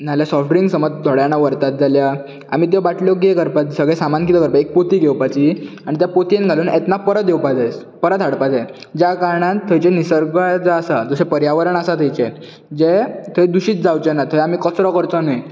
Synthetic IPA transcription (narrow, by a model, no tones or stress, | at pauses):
naljasɔfɖɾiŋɡsəmɔd͡zd̪ʱɔɽjañaʋəɾt̪at̪̚d͡zʱalja | a̰m̤iːt̪̬jɔbaʈljɔɡekəɾpat̪səɡɭɛsamankit̪əkəɾpaek̚pot̪iːɡewpat͡ɕiaɽ̃it̪japot̪ienɡʱaluːnɛt̪napəɾəd̪ewpad͡zajspəɾət̪ɦaɽpad͡zaj | d͡ʑjakaɾɳãt̪ʰːəjt͡ɕenisəɾɡad͡zaːsad͡zəsepəɾjaʋəɾəɳasat̪ʰəjt͡ɕɛ | d͡ʑet̪ʰəjd̪uɕiːt͡sd͡zawt͡ɕɛnat̪ʰəjamikət͡sɾɔkəɾt͡sɔ̃nəj